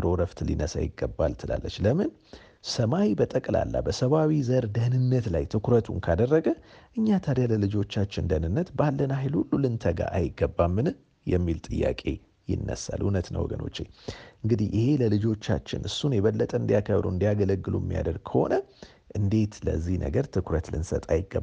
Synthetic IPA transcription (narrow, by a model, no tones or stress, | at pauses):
ɾoɾəft̪lḭnəsa̰jɪɡːəbːalt̪ʰɨlalːət͡ʃːləmɨn | səmawibət̪ʼəkʼla̰lːa̰bəsəβawizəɾd̪əhnɨnːət̪lajt̪ʰɨkʰɾət̪ʰunkʰad̪ərːəɡəʔɨɲːat̪ʰaɾjaləlɨd͡ʒo̞t͡ʃːat͡ʃːɪnd̪ənɨnːət̪balːənajlhulːulɨnt̪ʰəɡa̰ʔajɪɡːəbːamːɨn | jɛmːilt̪ʼɨjːa̰kʼe̞̰ | jɪ̰nːə̰sa̰lhunət̪nə̰wɔ̰ɡəno̞̰t͡ʃːḛɲʔɨŋɡɨd̪ihʔɪhe̞ləlɨd͡ʒo̞t͡ʃːa̰t͡ʃːɪ̰nʔɨsːunjɛβəlːət̪ʼəɨnd̪ijakʰəβɾuɨnd̪iaɡələɡːɨlṵɛmːḭja̰d̪əlɡ̚kʰəho̞̰nə | ʔɨnd̪e̞t̪lə̰zːihnʔə̰ɡəɾt̪ʰɨkʰɾət̪lɨnsət̪ʼajɪɡːə